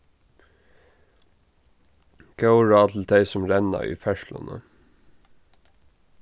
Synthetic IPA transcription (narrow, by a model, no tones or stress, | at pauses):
ɡ̥əʊɹɑːt̪ʰl̩d̪eɪsɔmɾɛnɑ̰ḭːfɛʃlɑ̰nə̰